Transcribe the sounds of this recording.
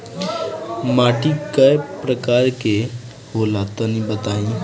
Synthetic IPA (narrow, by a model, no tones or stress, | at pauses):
maːʈikəepɾəkaːɾke | holaːt̪anĩbət̪aːĩː